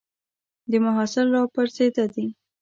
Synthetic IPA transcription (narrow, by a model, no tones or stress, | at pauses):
d̪əmaɦɑsɪlːɑpəɾzed̪ad̪i